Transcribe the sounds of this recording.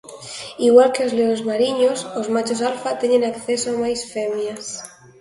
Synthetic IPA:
iɣwalkeozleozmaɾiɲosozmat͡ʃosalfat̪eɲẽŋakθesoamajsfemjas

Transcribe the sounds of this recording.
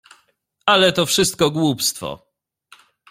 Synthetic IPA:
alɛt̪ɔfʂɘst̪̚kɔɡwupst̪fɔ̰

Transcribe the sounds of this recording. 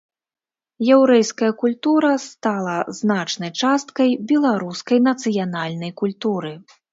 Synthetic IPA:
jɛwɾɛjskɐjɐkulʲt̪uɾɐst̪alˠɐznat͡ʂnɐjt͡ʂast̪kɐjbʲɛlˠaɾuskɐjnɐt̪sɨjanalʲnɐjkulʲt̪uɾɨ

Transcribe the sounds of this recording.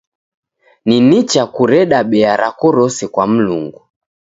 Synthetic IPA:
ninit͡ʃakuɾɛɗaɓɛaɾakɔɾɔsɛkwam̩lṵŋɡu

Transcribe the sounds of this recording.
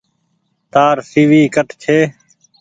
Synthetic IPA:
t̪aːɾsiːʋiːkəʈt͡ʃʰeː

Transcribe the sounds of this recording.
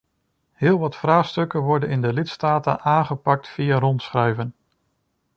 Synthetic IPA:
hɪːlˠʋɑtfraːχstɵkənʋɔɹdənɪndəlɪtstaːtə̰nʔaːnχəpɑk̚tfijarɔntsχrɛɥvən

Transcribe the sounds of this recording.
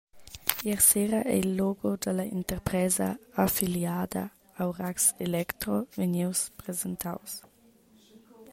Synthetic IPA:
iɾseɾɐʔɛ̰ilːɔɡod̪əlɐint̪eɾpɾɛzɐ̰afiljaːd̪ɐ̰ | awrakselɛkt̪ɾoveniwspɾezent̪a̰ws

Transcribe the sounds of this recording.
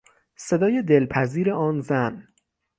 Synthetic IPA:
se̞d̪ɒːje̞d̪elpʰæziːɾeʔɒːnzæn

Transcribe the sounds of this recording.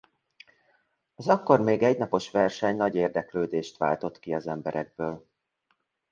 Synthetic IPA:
ɒzɒkːo̞rmeːɡɛɟnɒpo̞ʃʋɛrʃɛɲnɒɟeːrd̪ɛkløːd̪eːʃt̪ʋa̰ːlt̪o̞t̪kiɒzɛmbɛɾɛɡ̚bøːl

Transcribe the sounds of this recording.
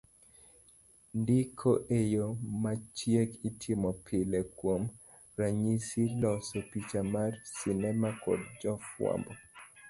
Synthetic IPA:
ndikʰoʔejomat͡ʃjekitʰɪmɔpʰɪlɛkwom | raɲisilɔsɔpit͡ʃamarsɪnɛmakɔ̰dd͡ʒɔfwa̰mbɔ

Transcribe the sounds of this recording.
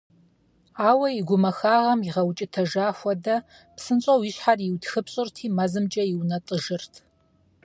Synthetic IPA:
aːwɐjiɡʷʊmɐxaːʁɐmjɪʁɐwt͡ʃʼɪtʰɐʒaːxʷɔdɐ | psɨnɕʼɐwjɪɕħarjiwtxɨpɕʼɨrtʰiːmɐzɨmt͡ʃʼɐjiwnɐtʼəʒɨrtʰ

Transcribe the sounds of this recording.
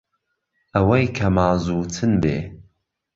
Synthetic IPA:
ʔɐwɐjkʰɐmaːzuːt͡sʰɨnbḛː

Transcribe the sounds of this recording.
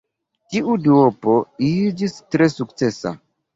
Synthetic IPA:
tiʔuduopoid͡ʒistɾe̞sukt͡se̞sa̰

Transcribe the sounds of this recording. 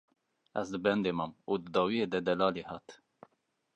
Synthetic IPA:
ɛ̰zd̪ɨbɛnd̪eːmɑːmuːd̪ɨd̪ɑːwijeːd̪ɛd̪ɛlɑːleːhɑːt̪

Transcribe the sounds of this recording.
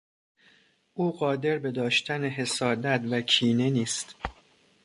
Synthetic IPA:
ʔuːɢɒːd̪e̞ɾbe̞d̪ɒːʃt̪ʰæneɦe̞sɒːd̪æt̪vækʰiːne̞niːst̪

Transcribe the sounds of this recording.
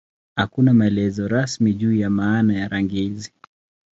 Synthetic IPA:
hakunamaɛlɛzɔɾasmiʄuːjamaːnajaɾaŋɡizi

